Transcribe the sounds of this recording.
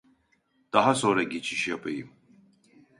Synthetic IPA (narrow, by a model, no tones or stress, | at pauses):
d̪̥aɦasɔɾɛɡit͡ʃʰiʃɛpʼɛim